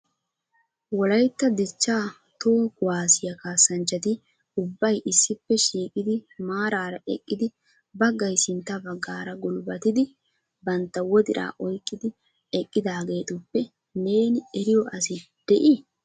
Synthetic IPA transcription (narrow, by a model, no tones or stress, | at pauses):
wɔlɐjt̪ːɐd̪ɪt͡ʃːaː | t̪o̞ːkʊwaːsɪjɐkaːsːɐnt͡ʃːɐt̪ɪ | ʊbːɐjʔɪsːɪpːɛʃiːkʼɪd̪ɪmaːɾaːɾɐʔɛ̰kʼːɪd̪ɪ | bɐɡːɐjsɪnt̪ːɐbɐɡːaːɾɐɡʊlbɐt̪ɪd̪ɪ | bɐnt̪ːɐwɔd̪ɪɾʔa̰ːʔɔjkʼːɪd̪ɪ | ɛkʼːɪd̪aːɡe̞ːt̪ʊpːɛ | ne̞ːnɪɛɾɪjɔʔɐsɪ | d̪̥ɛʔɪ